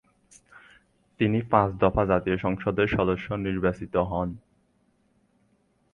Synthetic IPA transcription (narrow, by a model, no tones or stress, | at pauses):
t̪inipãsd̪ɔfad͡ʑat̪ijoʃɔŋʃod̪eɾʃɔd̪oʃːoniɾbasit̪oɦɔn